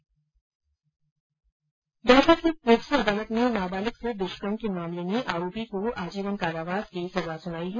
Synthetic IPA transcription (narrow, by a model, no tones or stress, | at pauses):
d̪ɔːsakipoːksiɐd̪aːlət̪nenaːbaːlɪksed̪ɪʃkənkemaːmleneʔaːɾoːpikoaːd͡ʒiːʋənkaːɾaːʋaːd̪kisɐzasʊnaːiɦɛː